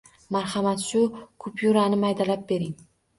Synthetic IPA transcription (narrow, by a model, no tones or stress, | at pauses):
maɾhamat̪ʃʊkʰʊpʰjuɾanɪmajd̪alap̚be̞ɾɪŋ